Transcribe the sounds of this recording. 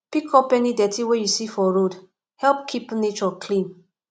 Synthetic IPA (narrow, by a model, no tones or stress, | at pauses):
pikʰɔpɛnidɛtʰiwejusifɔɹod | hɛlp̚kʰipnet͡ʃɔkʰlĩn